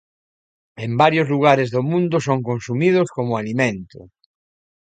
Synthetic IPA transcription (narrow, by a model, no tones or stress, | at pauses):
embaɾjozluɣ̞aɾɪzðomũnd̪ʊsoŋkõnsumið̞oskomʊalimẽnt̪ʊ̰